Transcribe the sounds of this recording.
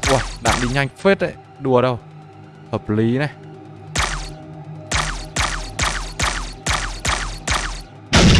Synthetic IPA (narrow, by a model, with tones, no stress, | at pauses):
ʔwa˧˩ɗa̰ː˧˨ŋɗi˧˩ɲa˧jŋfe˦˥t̪̚ʔḛ˧˨ | ɗu˨˩əɗə˧w | həː˨˩p̚li˨˦nɛ˧˩